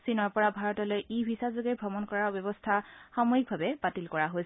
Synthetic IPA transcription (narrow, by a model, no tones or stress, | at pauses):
sinɔɹpɔɹabʱaɹɔtɔlojʔibʱisazoɡɛbʱɔmɔnkɔɹaɹbjɔbɔstʰaxɔmojik̚bʱabɛbatilkɔɹaɦojs